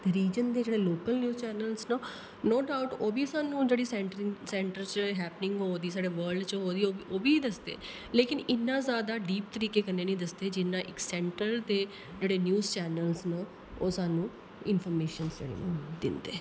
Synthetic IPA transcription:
ɾiːd͡ʒənd̪eːd͡ʒeːɽeːloːkəlnjuːzt͡ʃɛːnəlznə | noːɖaːʊʈoːbiːsaːnũːd͡ʒeːɽiːsɛ̃ʈɾsɛ̃ːɳʈəɾt͡ʃɦɛːpnɪ̃ŋɡɦoːd̪iːs̬aːɖeːʋəɾlɖt͡ʃɦoːd̪iːooːbiːd̪əsd̪ḛː | leːkɪnɪnːãːzjaːd̪aːɖiːpt̪əɾiːkeːkəneːnĩːd̪əsd̪eːd͡ʒɪnãːʔɪksɛ̃ːɳʈəɾd̪eː | d͡ʒeːɽeːnjuːzt͡ʃɛːnəlznə | oːsaːnũː | ɪnfʰɔːɾmeːʃənzd͡ʒḛːɽḛːnṵ̃ːd̪ɪ̰nd̪ḛː

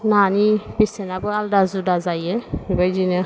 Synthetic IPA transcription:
nanibisɛnabɔaldazudazajɛɡɔjzinɛ

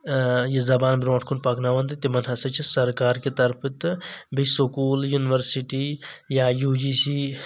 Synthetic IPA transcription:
jizɐbaːnbɾõːʈʰkʰunpɐknaʋɐnd̪t̪emɐnɦɐsɐt͡ʃʰisɐɾkaːɾket̪ɐɾpʰɨt̪bʱisokuːljunɪʋəɾsiʈijaːjuːd͡ʒisiː

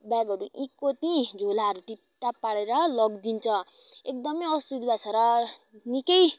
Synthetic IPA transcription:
baɡʌɾuʔikːot̪ĩd͡zʱolaɦʌɾuʈipt̪apaɽeɾʌlʌɡd̪int͡sʰʌ | ek̚d̪ʌmʌjʌsud̪ibat͡sʰʌɾʌnikʌj

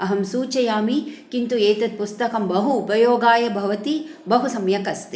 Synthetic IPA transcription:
ɐɦɐmsuːt͡ʃɐjaːmikint̪ueːt̪ɐt̪̚pust̪ɐkɐmbɐɦuːpɐjoːɡaːjɐbʱɐʋɐt̪ibɐɦusɐmjɐkɐst̪i

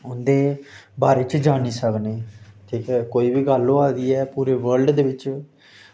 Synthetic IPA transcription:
ʊnd̪eːbaːɾeːt͡ʃd͡ʒaːniːsəkneːt̪ʰiːkɛːkoːiːbiːɡəlːõːaːd̪iːɛːpuːɾeːʋəɾlɖd̪eːʋɪt͡ʃ

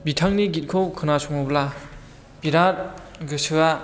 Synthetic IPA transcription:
bitʰaŋniɡit̚kʰowkʰɯnasʰɔŋɔbla | biɾat̚ | ɡɯsʰɯa

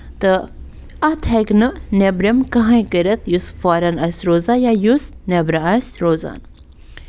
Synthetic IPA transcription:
t̪ɨ | ɐt̪ʰɐknɨnebɾemkɐɦãjkəɾɐt̪jusfaːɾɐnɐsɾoːzajajus | nebɾaɐsɾoːza̰ːn

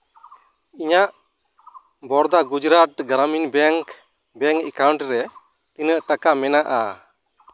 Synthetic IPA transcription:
iɲaʔ | bɔɾd̪aɡud͡ʒɾat̪̚ɡɾaminbɛŋk | bɛŋkɛkawɳʈɾɛ | t̪inəʔʈakamɛnaʔa

